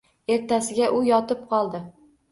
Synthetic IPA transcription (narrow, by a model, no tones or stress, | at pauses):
e̞ɾt̪ʰasɪɡʲaʔʊjɒt̪ɪp̚qʰɒlˠd̪ɪ